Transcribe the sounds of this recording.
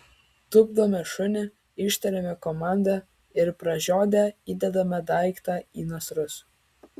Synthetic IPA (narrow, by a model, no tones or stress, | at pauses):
t̪ʊbd̪oːmʲɛʃʊnʲɛ | ɪʃʲt̪ʲɛɾʲɛmʲɛkɔmɑˑnʲd̪ɑ | ɪɾpɾɐʒʲoːd̪ʲɛiːd̪ʲɛd̪ɐmʲɐd̪ɑˑɪkt̪ɑiːnosɾʊs